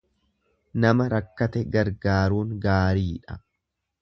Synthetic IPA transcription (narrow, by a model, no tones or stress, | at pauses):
nɐmɐɾɐkːɐt̪ɛɡɐɾɡaːɾuːŋɡaːɾiːᶑɐ